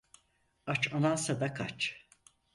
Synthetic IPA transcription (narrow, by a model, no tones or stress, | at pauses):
at͡ʃʰanasad̪akʰat͡ʃ